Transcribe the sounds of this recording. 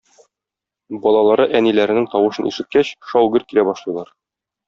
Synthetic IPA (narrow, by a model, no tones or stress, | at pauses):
bɒlˠɑlˠɑɾɤʔænilæɾɘ̆nɘŋt̪ɒwɤ̆ʃɤ̆nʉ̰sɘ̆t̪̚kæɕʃɒwɡɘɾkiɾæbɒʃlˠɤ̆jlˠɑɾ